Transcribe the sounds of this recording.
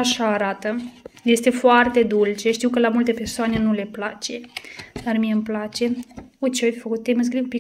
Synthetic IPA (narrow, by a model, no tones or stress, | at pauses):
aʃaːɾat̪əje̞st̪e̞foart̪e̞d̪ult͡ʃe̞ʃt̪iwkəlamult̪e̞pe̞rsoane̞nule̞plat͡ʃe̞d̪armijeɨmplat͡ʃe̞ujt͡ʃeoafʲfəkut̪̚t̪ejməs̬kɾikumpi